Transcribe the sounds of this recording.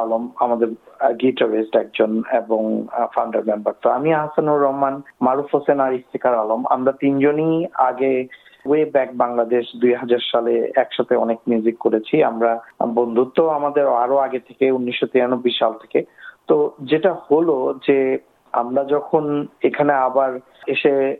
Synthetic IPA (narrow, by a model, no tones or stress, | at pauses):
alomamad̪eɾɡiʈawesʈɛk̚d͡ʑoneboŋfawɳɖaɾmembaɾt̪oamiaɦasanuɾːɔɦmanmaɾufɦosenaɾift̪ʰekaɾaloma̰mɾat̪ind͡ʑonia̰ɡe | ɡuebɛk̚baŋlad̪eʃd̪ujɦad͡ʑaɾʃalḛɛkʃat̪ʰeɔnekmjuzikkoɾet͡ɕʰia̰mɾabond̪ʱut̪ːoamad̪eɾaɾoaɡet̪ʰekeunːiʃːot̪iɾanobːijʃalt̪ʰe̥ket̪od͡ʑeʈaholod͡ʑe | a̰mɾad͡ʑɔkʰonekʰaneabaɾ | eʃe